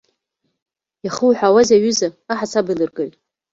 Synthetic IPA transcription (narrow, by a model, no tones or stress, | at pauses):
jaχuwħʷᶣawazaɥʏzaːħat͡sʰabɨlɨrɡɨlʲtʼ